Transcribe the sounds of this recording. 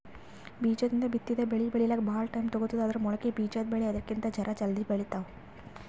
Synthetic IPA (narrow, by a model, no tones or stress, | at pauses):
biːd͡ʒɐd̪ind̪ɐbit̪ːid̪ebeɭibeɭilːɐɡbaɭʈɐjmt̪ɔɡut̪ːid̪uɐd̪ɐɾumɔɭɐkːebiːd͡ʒɐd̪beɭeɐd̪ɐkːint̪ɐd͡ʒɐɾʔɐd͡ʒɐld̪ibeɭit̪aʋ